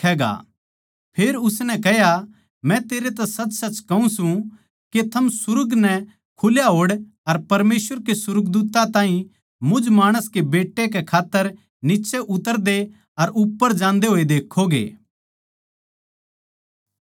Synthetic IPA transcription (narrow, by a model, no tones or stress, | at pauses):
ɛːɡa̰ | pʰeːɾʊsnɛ̃kɛɦja | mɛ̃t̪eːɾet̪ɛsɐt͡ʃːsɐt͡ʃkɐũsũ | ket̪ʰɐmsʊɾʊɡnɛ | kʰʊljaɦoːɽ | ɐɾpɐɾmeːsʋəɾkesʊɾəɡd̪uːt̪ːãt̪ãːɦĩ | mʊd͡ʒmaːɽ̃əskebeːʈːek̬ekʰaːt̪ːəɾ | nɪt͡ʃeʔʊt̪əɾd̪e | ɐɾʊpːəɾd͡ʒãːnd̪eɦoːid̪eːkʰːoɡḛː